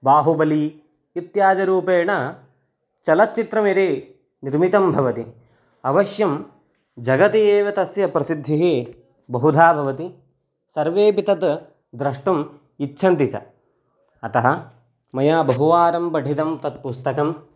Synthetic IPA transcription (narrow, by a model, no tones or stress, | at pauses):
baːɦubɐliː | t̪jaːd͡ʒɐɾuːpeːɳɐ | t͡ʃɐlɐt̪̚t͡ʃit̪ɾɐmiɾeː | niɾmit̪ɐmbʱɐʋɐt̪i | ɐʋɐʃjɐm | d͡ʒɐɡɐt̪ieːʋɐt̪ɐsjɐpɾɐsid̪ʱːiɦi | bɐɦud̪ʱaːbʱɐʋɐt̪i | sɐɾʋeːpit̪ɐt̪ | d̪ɾɐʂʈɐm | itːʃʰɐnt̪it͡ʃɐ̰ | ɐt̪ɐɦɐ | mɐjaːbɐɦuʋaːɾɐmbɐɖʱit̪ɐmt̪ɐt̪̚pust̪ɐkɐm